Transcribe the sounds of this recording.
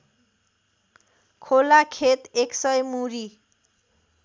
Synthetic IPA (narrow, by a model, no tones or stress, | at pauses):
kʰolakʰet̪eksʌjmuɾi